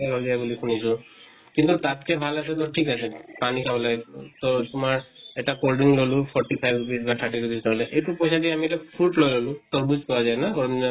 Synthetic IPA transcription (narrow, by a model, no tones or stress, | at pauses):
lɔzajbulikʰunisʊ̃ | kintutatkɛbʱalasɛt̬ɔʈʰikasɛpanikʰabɔlaɡɛtɔtʊmaɹɛʈakolɖiŋlolʊ̃pʰɔɹʈipʰajbɡisbat̪ʰaɹʈitubisnɔlɛʔejtupɔjsadiɛamilepʰɹuʈlojlolʊ̃tɔɹbuzkɔɹazajnaɡɔɹɔminɔ